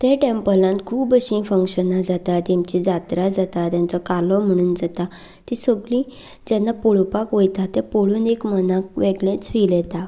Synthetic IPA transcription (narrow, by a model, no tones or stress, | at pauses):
t̪ɛ̃ʈempəlãnt̪kʰuːbəɕĩfəŋkɕənad͡zat̪at̪imt͡ɕid͡zat̪ɾad͡zat̪at̪jãnt͡sɔkalɔm̤əɽ̃uːnd͡zat̪a | t̪isəɡɭĩ | d͡ʑɛnːapoɭpakʋəjt̪at̪ːepoɭuːnekmənak̚ʋeɡɭẽt͡sfiljɛt̪a